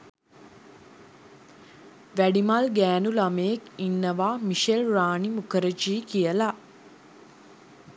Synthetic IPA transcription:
ʋæɖimalɡæːnulamejekinːəʋaːmiʃelraːɳimukəɾəd͡ʒiːkijəla

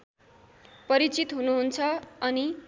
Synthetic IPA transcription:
pʌɾit͡sit̪ɦunuɦunt͡sʰʌʌni

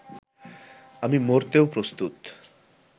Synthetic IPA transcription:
amimoɾt̪ewpɾost̪ut̪

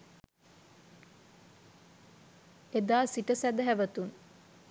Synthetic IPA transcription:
ed̪aːsiʈəsæd̪əɦæʋət̪un

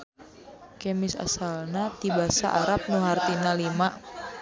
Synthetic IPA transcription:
kɛmɪsa̰salnat̪ibasa̰ʔaɾap̚nuɦart̪inalimaʔ

